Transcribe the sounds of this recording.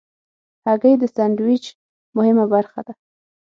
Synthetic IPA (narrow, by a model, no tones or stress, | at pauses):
haɡəjd̪əsandwit͡ʃ | mʊhɪmabaɾxad̪a